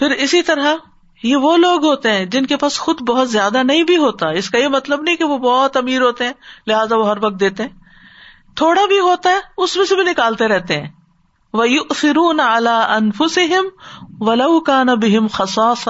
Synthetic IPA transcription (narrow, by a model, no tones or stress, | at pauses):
pʰɪɾɪsit̪ɐɾa | jeʋoloːɡɦoːt̪eɦɛ̃ːd͡ʒɪnkepaːsxʊd̪bɐɦʊt̪zjaːd̪anɐɦĩbʱiɦoːt̪aɛɪskajemɐt̪ləbnɐɦĩkeʋobɔːt̪ɐmiːɾɦoːt̪eɦɛ̃ːlɪɦaːzaʋoɦɐɾʋɐk̚t̪̚d̪eːt̪eɦɛ̃ː | t̪ʰoːɽabʱiɦoːt̪aɦɛʊsmẽsebʱinɪkaːlt̪eɾɛɦt̪eɦɛ̃ː | ʋɐjʊʔθɪɾuːnʕalaːɐnfʊsɪɦɪmʋɐlɐwkaːnɐbɪɦɪmxɑsɑːsɑ